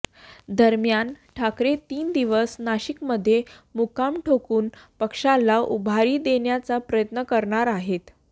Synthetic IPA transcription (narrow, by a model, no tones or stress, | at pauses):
d̪əɾmjanʈʰakɾet̪iːnd̪iʋəsnaɕikməd̪ʱːje | mukamʈʰokuːnpəkʂalaʔubʱaɾiːd̪eɳjat͡sapɾəjət̪nəkəɾɳaɾaɦet̪